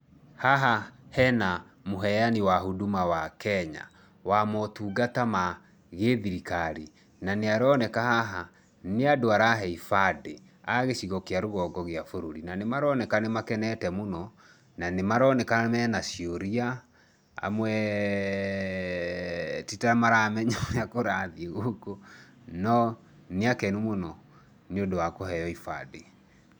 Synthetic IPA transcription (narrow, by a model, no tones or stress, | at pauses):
haɦahɛna | moɦɛjaniwaɦudumawakɛɲa̰ | wamɔtuɡatama | ɣeðiɾikaɾi | naneaɾɔnɛkahaɦa | neadoaɾaɦɛifade | aɣeʃiɣɔkeaɾoɣɔɡɔɣeafoɾoɾinanemaɾɔnɛkanemakɛnɛtɛmonɔ | nanemaɾɔnɛkamɛnasioɾia | a̰mwɛ | titamaɾamɛɲajakoɾaðieɣoko | nɔ | neakɛnumonɔ | niodowakoɦɛjɔifade